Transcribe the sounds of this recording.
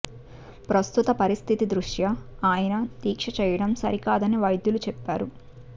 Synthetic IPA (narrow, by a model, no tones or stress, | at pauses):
pɾɐst̪ut̪ɐpɐɾist̪ʰit̪id̪ɾuʂjɐaːjɐnɐd̪iːkʂɐt͡ʃɛːjɐɽɐmsɐɾikaːd̪ɐniʋɐjd̪julut͡ʃɛpːaːɾu